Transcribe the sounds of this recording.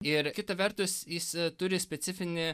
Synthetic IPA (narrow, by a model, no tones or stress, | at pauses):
ɪɾkʲɪt̪ɐʋʲɛɾt̪ʊsjɪst̪ʊɾʲɪsʲpʲɛsʲɪfʲɪnʲɪ